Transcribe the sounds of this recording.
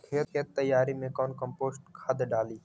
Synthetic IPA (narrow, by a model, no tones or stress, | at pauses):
kʰeːeːt̪ːəjːaːɾimẽkɔːnkəmpoːsʈkʰad̪ɖaːliː